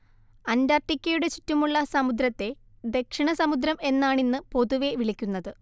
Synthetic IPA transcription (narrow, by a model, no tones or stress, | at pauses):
ɐndarʈːikʲːɐjuɽet͡ɕitːumuɭːɐsɐmud̪ɾɐt̪ːe̞ | d̪e̞kʂiɳɐsɐmud̪ɾɐme̞nːaːɳinːɨpo̞ðuʋe̞ʋiɭikʲːunːɐðɨ